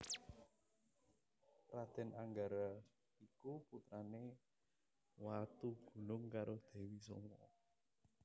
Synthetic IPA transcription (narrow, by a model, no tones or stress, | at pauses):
rad̪̥ɛ̤naŋɡaɾa | ikuput̪ɾane | wat̪uɡ̥ṳnʊŋkaɾod̪̥ɛ̤wiso̰ŋɔ̰